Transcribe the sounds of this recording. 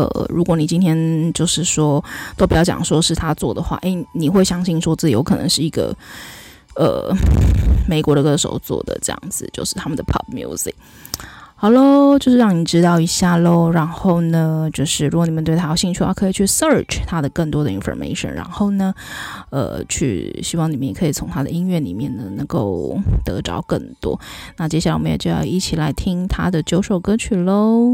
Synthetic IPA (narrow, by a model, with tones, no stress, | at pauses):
ə̰˩ɻu˧˥kwɔ˧˥˦ni˨˩t͡ɕi˥nt̪ʰjɛ˥nt͡ɕjo˥˧ʊʂɻ̩˥˩ʂwɔ˥t̪o˥ʊpi˨˩jɑ˥˩t͡ɕɑ̰˨˩ŋʂwɔ˥ʂɻ̩˥˩t̪ʰa˥t͡swɔ˥˩d̪ə˩xwa̰˥˩ʔe˥˩ɪni˨˩xwe˥˩ɪɕjɑ˥ŋɕi˥˧ŋʂwɔ˥t͡sɹ̩˥˩t͡ɕi˨˩jo̰˧˥kʰɤ˨˩nɤ̰˧ŋʂɻ̩˥˩i˧˥ɡə̰˧ | ə̰˩ | me˨˩ɪkwɔ˧˥ɾə˧kɤ˧˥ʂo̰˨˩˥ʊt͡swɔ̰˥˩d̪ə̰˨ʈ͡ʂɤ˥˩jɑ̰˥˩ŋd͡zɹ̩˨˩t͡ɕjo˥˧ʊʂɻ̩˥˩t̪ʰa˥mə˨nd̪ə˩pʰɑ̰˥˩p̚mjṵ˧˥zḭ˨˩k̚ | hɑ˩lo˥t͡ɕjo˥˧ʂɻ̩˥˧ɻɑ˥˩ŋni˨˩ʈ͡ʂɻ̩˥t̪ɑ˥˩ʊi˧˥ɕja˥˧lo˥˩ɻa˧˥nxo˥˩ʊnə˩t͡ɕjo˥˧ʊʂɻ̩˥˩ɻu˧˥kɔ˨˩ni˨˩mə˦nt̪we˥˧ɪtʰa˥˧˩ɕi˥˧nʈ͡ʂʰy˥˩wa̰˧˥kʰɤ˧˥i˨˩t͡ɕʰy˥˩sə˥˧˩ʈ͡ʂʰt̪ʰa˥d̪ə˨kə˥˩ŋt̪wɔ˥d̪ə˨i˧˥nfɔ̰˨˧mḛ˥ɪʂə̰˨˩nɻa̰˧˥nxo˥˩ʊnə˩ | ə̰˨˩t͡ɕʰy̰˥˩ɕi˥wɑ˥˩ŋni˨˩mə˥njɛ˨˩ɤ˧˥i˨˩t͡sʰʊ˧˥ŋt̪ʰa˥d̪ə˨˧i˥ŋɥɛ˥˩nḭ˨˩mjɛ˥˩nd̪ə˩nɤ˧˥ŋko˥˩ʊt̪ɤ˧˥ʈ͡ʂɑ̰˧˥ʊkə̰˥˩ŋt̪wɔ̰˥na˥˩t͡ɕjɛ˥ɕja˨˩a˥wɔ˨m˧˦njɛ̰˨˩t͡ɕo˥˧˩jɑ̰˥˧ʊʔi˥˩t͡ɕʰi˨˩la˧˥ɪt̪ʰi˥ŋt̪ʰa˥d̪ə˨t͡ɕjo˧˥ʊʂo˨˩ʊkɤ˥t͡ɕʰy˥˩lo˥ʊ